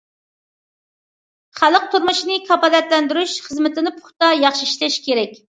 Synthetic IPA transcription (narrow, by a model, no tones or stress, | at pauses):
χæləq̚t̪ʰuɾmuʃnɨkʰɑpɑlɛt̪lɛnd̪yɾyʃχəzmɪt̪ʰɪnɪpʰʊ̥χt̪ɑjɑχʃiiʃlɛʃkʲʰeɾɛkʲ